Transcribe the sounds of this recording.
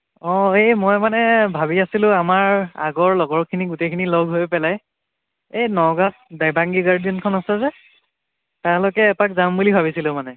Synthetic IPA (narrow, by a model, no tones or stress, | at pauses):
ɔejmɔjmanɛbʱabiasilʊ̃amaɹa̰ɡɔɹlɔɡɔɹkʰiniɡutejkʰinilɔɡʱɦojpɛlaj | ejnɔɡat̚dajbaŋɡiɡaɹdijɔnkʰɔnasɛzɛ | talɔkɛːpakzambulibʱaβisilʊ̃manɛ